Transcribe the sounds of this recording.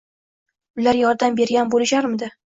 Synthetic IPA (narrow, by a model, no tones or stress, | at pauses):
ʊlaɾjɒɾd̪ambe̞ɾɡʲanbolɪʃaɾmɪd̪ɪ